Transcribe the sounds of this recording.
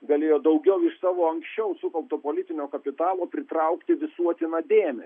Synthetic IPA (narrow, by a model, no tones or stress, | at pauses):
ɡɐlʲeːjoːd̪ɐʊɡʲɛʊɪʃsɑːʋoːɐŋksʲt͡ʃʲɛʊsʊkɐlˠpt̪oːpoːlʲɪt̪ʲɪnʲoːkɐpʲɪt̪ɑːlˠoːpʲɾʲɪt̪ɾɐʊkt̪ʲɪʋʲɪsuɔt̪ʲɪnɐːd̪ʲeːmʲɛ